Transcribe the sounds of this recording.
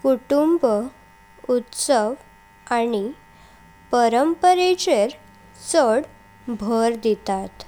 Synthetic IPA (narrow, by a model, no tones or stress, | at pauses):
kuʈumb | ut̪səʋ | añi | pəɾəmpəɾet͡ɕeɾ | t͡səɽ | bʱəɾd̪it̪at̪